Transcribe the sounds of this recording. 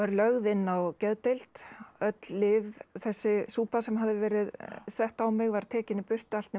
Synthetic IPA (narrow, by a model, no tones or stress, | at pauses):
aɾlœɣðɪnːawcɛðt̪ejl̥t̪œt̪llɪvθɛsːɪsuːpasɛmɦaðɪvɛːɾɪðsɛht̪awmɪɣvaɾ̥t̪ʰɛːcɪnɪpʏr̥t̪ʏalt̪nɛ